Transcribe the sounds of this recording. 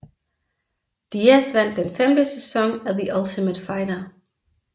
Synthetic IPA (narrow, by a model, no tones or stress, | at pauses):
d̥iæsʋæn̰d̥ːenfemd̥əsesɒ̽ŋæðiʔælt͡sʰiməd̥fɑ̈ɪɾɐ